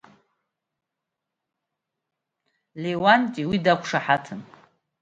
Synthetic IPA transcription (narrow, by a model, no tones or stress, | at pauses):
lewantʼiwidakʷʰʂaħatʰɨn